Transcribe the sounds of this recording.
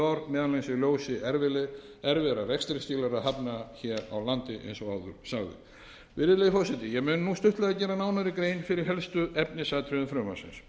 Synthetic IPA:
aɾmɛːðanesɪɣljoːwsɪʔɛɾvɪlɛ | ɛɾvɪɾarɛjkst̪ɾɪst̪iːlaɾaðhapnaçɛːɾa̰wlant̪ɪʔḛjnsɔaːwðʏ̰ɾ̥saɣðʏ̰ | vɪɾɪleðfɔsɛt̪ɪjɛɣmʏːnnust̪ʏht̪lɛðacɛːɾanaːwnaɾɪkɾeːjnfɪɾɪɾ̥ɦɛlst̪ʏɛpnɪsat̪ʰɾʏðʏmfɾœːma̰̥sɪ̰ns

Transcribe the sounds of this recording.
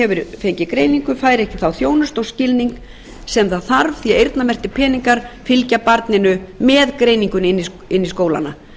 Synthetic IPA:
ɛvʏɾfejɲcɪkɾeːjniŋkʏfaːjɾɛhcɪθawθjoːwnʏst̪owscɪlniŋk | sɛmθaðθaɾvθiaejɾt̪namɛr̥t̪ɪpʰɛːniŋkaɾ̥fɪlcapaɾt̪nɪnʏmɛːðkɾejniŋkʏnɪnːis | ɪnːiskoːwla̰na

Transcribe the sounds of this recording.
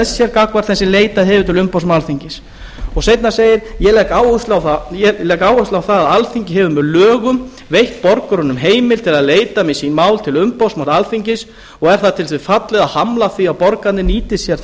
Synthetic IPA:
ssjɛɾkakvaɾ̥θɛnsɪleːjt̪aðɦɛːvʏt̪ʰɪlʏmpawsmawlθiɲcɪs | ɔɣsejt̪naseːjɪɾjɛlɛkaːwʏst̪lawθajɛlɛkaːwʏst̪lawθaðaðalfiɲcɪɦɛvʏmɛlœːɣʏm | vejht̪̚pɔɾkʏɾʏnʏmɦeːjmɪlt̪ʰɪlaðleːjt̪amisinmaːwlt̪ʰɪlʏmpawsmalalfiɲcɪs | ɔɣɛɾ̥θaðt̪ʰɪlθvɪfat̪lɪɣaðhamlaθiawpɔɾkat̪nɪniːt̪ɪsjɛɾ

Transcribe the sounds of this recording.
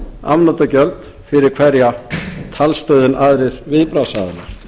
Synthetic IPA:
a̰mnat̪acœlt̪ | fɪɾɪɾkʰvɛɾjat̪ʰalst̪œːɥðɪnaðɾɪɾvɪðpɾasaðɪnaɾ̥

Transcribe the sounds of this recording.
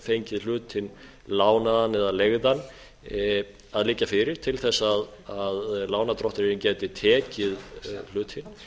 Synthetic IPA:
fejɲcɪðl̥ʏːt̪ʰɪn | laːwnaðanːɛðaleɣðan | aðliːcːafɪɾɪɾ̥t̪ʰɪlθɛsːaðaðlaːwnat̪ɾɔht̪ʏɾɪɾɪncɛːt̪ɪt̪ʰɛːcɪðl̥ʏːt̪ʰɪn

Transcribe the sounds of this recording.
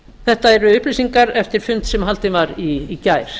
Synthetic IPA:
θɛht̪aɛɾʏʏhplisiŋkaɾɛft̪ɪɾ̥fʏnt̪sɛmɦalt̪ɪvaɾiːcaːjɾ̥

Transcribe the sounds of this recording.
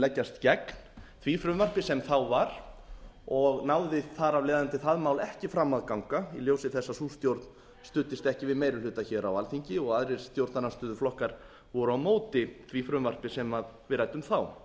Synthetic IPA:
lɛcːast̪cɛkn̥θʰvifɾʏmvar̥pɪsɛmθawvaɾ̥ | ɔɣnaːwðɪθaɾavleːðant̪ɪθaðmaːwlɛhcɪfɾamːaðkawŋkailjowsɪθɛsːasulst̪jowɾt̪n | st̪ʏːt̪ːɪst̪ɛhcɪvɪðmeːjɾɪlʏːt̪açɛɾawalθiɲcɪɔɣaðɾɪɾ̥st̪jowɾt̪nanast̪ʏːðʏflɔhkaɾ̥ | vɔɾʏawmoːwt̪ɪθʰvifɾʏmvar̥pɪsɛmaðvɪɾajt̪ʏmθaw

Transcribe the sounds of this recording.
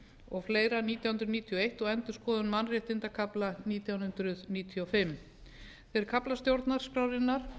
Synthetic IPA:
ɔɣfleːjɾaniːt̪jawʏnɾʏðniːt̪ʰijɔejht̪ɔɣɛnt̪ʏskɔːðʏnmanrɪht̪ɪnt̪akʰaplaniːt̪jawnhʏnt̪ɾʏðniːt̪ʰiɔfɪmː | θejɾɪɾkʰaplast̪jowɾt̪naɾ̥spɾaːwɾɪnːaɾ̥

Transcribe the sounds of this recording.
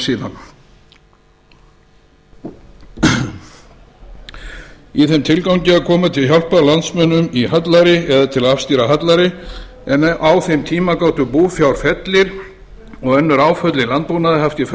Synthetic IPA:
siːða̰n | iθɛmt̪ʰɪlkawɲcɪaðkʰɔːmat̪ʰɪlçjal̥palant̪smœnːʏmiɦat̪laɾɪɛðat̪ʰɪlaafst̪iːɾaɦat̪laɾɪ | ɛnʔawθɛmt̪ʰiːmakaːwt̪ʏpuːfjawl̥fɛt̪lɪɾ | ɔɣɛnːʏɾaːwfœt̪lɪlant̪̚punaðɪɦaft̪ɪf

